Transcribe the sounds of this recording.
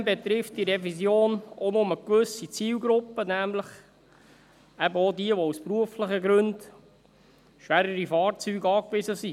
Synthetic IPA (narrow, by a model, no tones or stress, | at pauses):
mbɛt̪ɾɪft̚d̥iɾɛvizjoːnonʊməkʋɵsit͡siːlɡɾʊpːənæmləχ | æbəodiəʋouspɾuəflɪχəɡɾɵnd̥ | ʃʋæɾəɾifɑːɾt͡syːɡɑːkʋɪzəsi